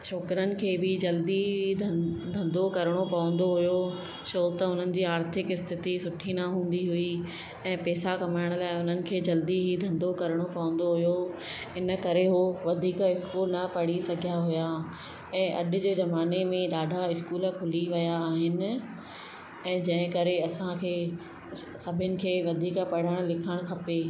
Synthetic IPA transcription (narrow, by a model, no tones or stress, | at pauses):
ʃʰɔːkɾənɪ̆kʰeːbɪd͡ʑɐld̪id̪ʱd̪ʱɐ̃nd̪okɐɾəɽ̃opɐʋə̃n̆d̪oɦʊjo | ʃoːt̪əʊn̤ənɪ̆d͡ʑiːaːɾt̪ʰɪkɪst̪ʰɪt̪isʊʈʰinɐɦũːn̆d̪iɦʊi | ɛ̃ːpɛːsakɐmaːɪɽ̃əlaːɪʊn̤ənɪ̆kʰeːd͡ʑɐld̪iɦid̪ʱɐ̃nd̪okɐɾəɽ̃opɐʋə̃n̆d̪oɦʊjo | ɪnə̆kɐɾeɦoːʋɐd̪ʱiːkəɪskuːlnɐpɐɽ̤isɐɡʱijaɦʊja | ɛ̃ːʔɐ̰ɗ̆d͡ʑeːzɐmaːnemẽɗaːɖʱaɪskuːləkʰʊliʋɐjaːɦɪnɪ̆ | ɛ̃ːd͡ʑɐ̃ɦɪ̃kɐɾeɐsãkʰeː | sɐbʱɪnɪ̆kʰeːʋɐd̪ʱiːkpɐɽ̤əɽ̃lɪkʰəɽ̃kʰɐpeː